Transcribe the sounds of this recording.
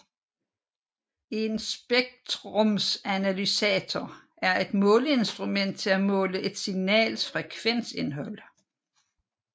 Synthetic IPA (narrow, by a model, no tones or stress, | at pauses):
e̝nsb̥eɡ̥̚t͡sʰʁɔmsænælysɛːt͡sʰɒ | æɐʔe̝d̥mɔ̽ːləe̝nsd̥ʁumen̰d̥̚t͡sʰe̝læmɔ̰̽ːləʔe̝d̥siŋnɛ̰ːlfʁɛkʰʋen̰se̝nɦɒ̽l̰